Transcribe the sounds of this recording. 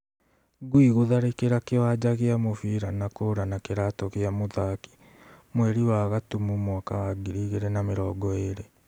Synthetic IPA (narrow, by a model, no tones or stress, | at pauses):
ɡwiɣoðaɾekeɾakewad͡ʑaɣeamofiɾanakoːɾanakeɾatɔɣeamoðaki̥ | mwɛɾiwaɣatumumwakawaɡiɾiɣeɾɛnameɾɔːɡɔeɾe